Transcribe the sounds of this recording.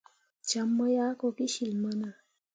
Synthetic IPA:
t͡ʃa˨mːə˦ja˦ko˨ki˦ʃi˨lmə˦nə˨

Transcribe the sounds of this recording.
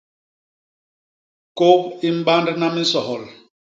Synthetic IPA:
ko˦pi˦m̩˦ɓa˦ndna˦mi˦sɔ˨ɦɔ˨l

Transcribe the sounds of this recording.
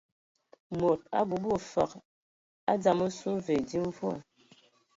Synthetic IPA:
mo˨t̚a̰˦bu˨bo˨fa̰˨k | a˦d͡za˨mo˦su˦ve˨di˦ɱ˦vu˦a̰˨

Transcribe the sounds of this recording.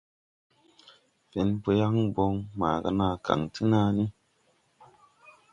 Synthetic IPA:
fe˨˦npo˧ja˦ŋbo˧ŋma̰˨ɡa̰˧˦na˧ka̰˨ŋtɨ˦na˧ni˦

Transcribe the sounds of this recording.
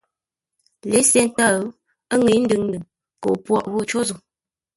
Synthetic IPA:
le˨˦se˦n˦ta˦˨˦ | ə˦ŋe˨˦n̩˦dɨ˦˨ŋndɨ˨ŋ | ko̰˨pwɔ̰˦˨ʔwo˦t͡ʃo˦zo˨

